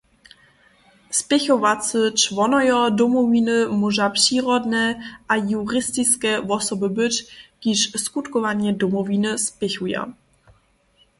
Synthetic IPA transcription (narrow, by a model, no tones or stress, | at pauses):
spʲjɛxɔvat͡sət͡ʃvɔnɔjɔdɔmɔvinɨmuʒapʂiːɾɔd̪nɛʔajuɾɪst̪ɪt͡skɛvɔsɔbəbɪcɡ̥dɪʃskut̪kɔvaɲɛd̪ɔmɔvinɨspʲjɛxuja̰